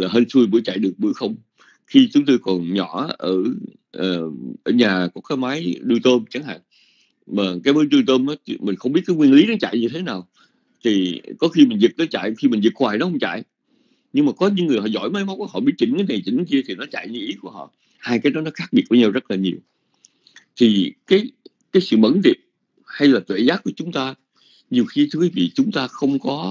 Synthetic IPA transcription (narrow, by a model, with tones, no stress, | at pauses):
laː˨˩ɦə˧nsu˧jvɨ̰˧˥ət͡ɕa̰ː˧˨jɗɨ˨˩ək̚ɓɨ̰˧˩˥jxə˧wŋ͡m | xi˧t͡ɕʊ˨˦ŋ͡mt̪o˧jkɔ˨˩nɲɔ˧˩˨ʔəː˧˩ | ʔəː˨˩ʔəː˧˩ɲaː˨˩kɔ˨˦kaː˨˦jmaː˨˦jɗɨ˧t̪əː˧mt͡ɕa˨˦ŋɦa̰ː˧˨ŋ | maː˨˩kaː˨˦jməː˨˦jɗɨ˧t̪əː˧mʔt͡ɕmï̟˨˩xə˧wŋ͡mɓi˦˥ət̚kːaː˨˦jŋwi˧ənli˨˦nɔ˨˦t͡ɕa̰ː˧˨jɲɨ˧t̪ʰe˨˦naː˨˩w | t̪ʰi˨˩kɔ˨˦xi˧mï˨˩ŋ̟zɨ˨˩k̚nɔ˨˦t͡ɕa̰ː˧˨jxi˧mï˨˩ŋ̟zɨ˨˩k̚xwaː˨˩nɔ˨˦hə˧wŋ͡mt͡ɕa̰ː˧˨j | ɲɨ˧ŋmaː˨˩kɔ˨˦ɲɨ̰˧˦ŋɨ˨˩əjɦɔ̰˧˨˩zɔ̰˧˨jma˨˦jma˨˦ŋ͡mkːəhɔ̰˧˨˩ɓi˦˧˥t̚t͡ɕï˧˩ŋ̟kaː˨˦jna˨˩jt͡ɕi˧˩˦ŋ̟ki˧ət̪ʰi˨˩nɔ˨˦t͡ɕa̰˧˨jɲɨ˧˦ʔi˨˦ku˧˩əɦɔ̰˧˨ | haː˧jkaː˨˦jɗɔ˨˦nɔ˨˦xaː˦˥k̚ɓi˨˩ət̚vaː˨˦ɲaː˧wzə˦˥t̚laː˨˩ɲi˨˩əw | t̪ʰi˨˩kaː˨˦j | kaː˨˦jsɨ̰˧˨mə̰˧˥nɗi˨˩əp̚ | ha˧jlaː˨˩t̪wḛ˧˨zaː˦˥ku˧˩ət͡ɕʊ˨˦ŋ͡mt̪aː˧ | ɲi˨˩əwxi˧t̪ʰɨ˨˧kwi˨˦vḭ˧˨t͡ɕʊ˨˦ŋ͡mt̪aː˧xə˧wŋ͡mkɔ˨˦